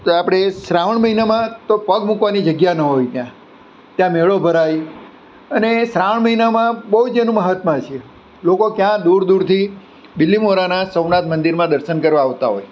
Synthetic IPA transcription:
t̪oapɽ̃esɾaʋəɳməɦinamãt̪opəɡmũkʋanid͡ʒəɡjanəɦojt̪jã | t̪jãmeɭobʱəɾaj | ənesɾaʋəɳməɦinamãbəɦud͡ʒenũməɦət̪mãt͡ʃʰe | lokokjãd̪uɾd̪uɽt̪ʰi | d̪ɪlːimoɾanasəwnat̪mənd̪iɾmãd̪əɾʃənkəɾʋãːʋt̪aɦo̰j

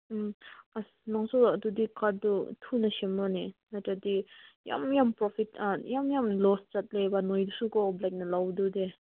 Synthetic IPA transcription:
masnaŋsuat̪ud̪ikaɾ̚dɔtʰunasemɔninatad̪ija̰mjampɾɔpʰit̚ajamjamlɔst͡ʃat̚lebanɔjdusukɔblajk̚nɐlawdud̪e

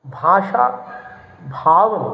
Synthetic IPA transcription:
bʱaːʃa | bʱaːʋ

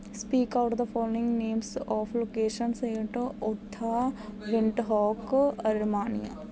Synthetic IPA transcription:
spiːkaʊʈd̪əfɔːmɪ̃ŋɡnẽːmsɔːfloːkeːʃənseːɳʈʊt̪ʰːaʋɪ̃ɳʈɦɔːkɐɾmaːnḭja̰ː

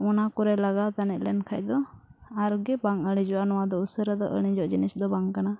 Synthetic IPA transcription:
ɔnakɔɾɛlaɡat̪anɛt̪̚ˀlɛnkʰac̚d̪ɔaɾɡɛbaŋəɽ̃id͡ʒɔʔanɔwad̪ɔusəɾad̪ɔʔə̰ɽ̃id͡ʒɔʔd͡ʒinisd̪ɔbaŋkana

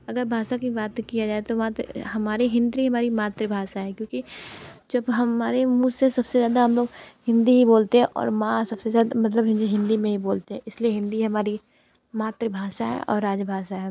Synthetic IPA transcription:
ɐɡəɾbʱaːʃakibaːt̪kijad͡ʒaːet̪oʋɐãt̪ɦɐmaːɾiɦɪ̃nd̪ɾiɦɐmaːɾimaːt̪ɾəbʱaːʃaɦɛkjõːkid͡ʒɐbɦɐmaːɾemũːsesɐbsezjaːd̪aɦɐmloːɡhɪ̃nd̪iɦiboːlt̪eɦɛ̃ʔɔ̰ːɾmãsɐbsezjaːd̪amɐt̪̬ləbɦɪ̃nd̪iɦɪ̃nd̪imẽɦiboːlt̪eɦɛ̃ɪslieɦɪ̃nd̪iɦɐmaːɾi | maːt̪ɾəbʱaːʃaɦɛ̰ʔɔ̰ːɾːaːd͡ʒbʱaːʃaɦɛː

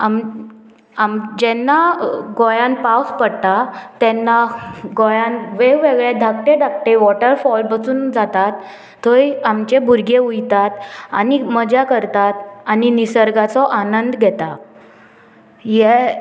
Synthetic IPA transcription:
am | amd͡ʑɛnːaɡojãnpawspəɽt̪at̪ɛnːaɡojãnʋeʋeɡɭed̪ʱak̚ʈeɖ̪ʱakʈeʋɔʈəɾfɔlbət͡suːnd͡zat̪at̪ʰː | oiamt͡ɕebʱuɾɡeujt̪at̪animəd͡ʑakəɾt̪at̪aninisəɾɡat͡sɔʔanənd̪ɡʱɛt̪a | jɛ

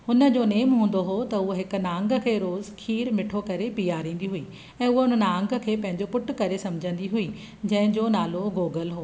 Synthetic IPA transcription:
hʊnə̆d͡ʑoːneːmɦũːn̆d̪oɦot̪ɐʊɦoɦɪkʊ̆nãːŋɡə̆kʰeːɾoːzkʰiːɾmɪʈʰokɐɾepijaːɾĩːn̆d̪iɦuiː | ɛ̃ːʊɦoʊn̤ənãːŋɡə̆kʰeːpɐ̃ɦɪ̃ɲd͡ʑopʊʈkɐɾesɐmd͡ʑʱə̃n̆d̪iɦui | d͡ʑɐ̃ɦɪ̃ɲd͡ʑonaːloɡoːɡəlɦoː

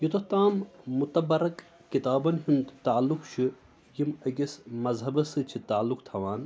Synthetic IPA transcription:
jit̪oht̪aːmːut̪ɐbɐɾɐkː | it̪aːbɐnɦind̪t̪aːlːukt͡ʃʰɨ | jimɐɡʲismɐzɦɐbɐsɨt͡ʃʰit̪aːlːukt̪ʰɐʋaːn

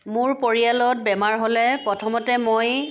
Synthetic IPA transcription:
mʊɹpoɹijalɔt̚bɛmaɹɦolɛpɹɔtʰɔmɔtɛmoj

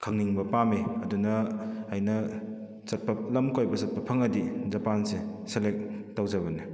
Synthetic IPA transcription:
kʰɐŋniŋbɐpameɐdunɐːjnɐ | sɐt̚pɐlɐmkojbɐsɐt̚pɐpʰɐŋɐdizɐpanseselek̚tɐwzɐβɐni

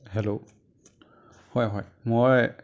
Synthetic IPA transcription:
ɦɛlo | hɔjɦɔjmoj

